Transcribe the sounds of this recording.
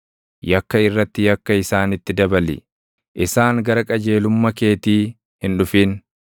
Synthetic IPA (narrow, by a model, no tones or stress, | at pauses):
jɐkːɐɪrːɐt̪ːɪjɐkːɐɪsaːnɪt̪ːɪd̪ɐbɐlɪ̰ | ʔɪsaːŋɡɐɾɐkʼɐd͡ʒe̞ːlʊmːɐke̞ːt̪iː | hɪnᶑʊfiːn